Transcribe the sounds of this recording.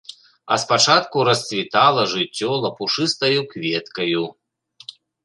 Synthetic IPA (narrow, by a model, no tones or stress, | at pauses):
ɐ̰spat͡ʂat̪kuɾɐsʲt͡sʲvʲit̪alˠɐʐɨt͡sʲːɔlˠɐpuʂɨst̪ɐjukvʲɛt̪kɐju